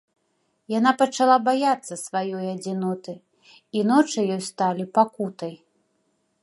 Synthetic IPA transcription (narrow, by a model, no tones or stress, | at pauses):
janapɐt͡ʂalˠabajat̪sːɐsvajɔjɐd͡zʲinɔt̪ɨ | inɔt͡ʂɨjɔjst̪alʲipakut̪ɐj